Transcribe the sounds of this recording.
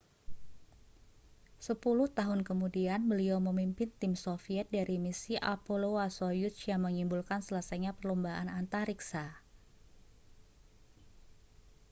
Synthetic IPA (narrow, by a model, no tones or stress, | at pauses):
səpulʊht̪aɦʊnkəmudianbəliaməmimpɪnt̪ɪmsofiɛt̪̚daɾimisiʔapoloasojut͡ʃjaŋməŋimbulkansələsajɲapərlombaʔanant̪aɾiksa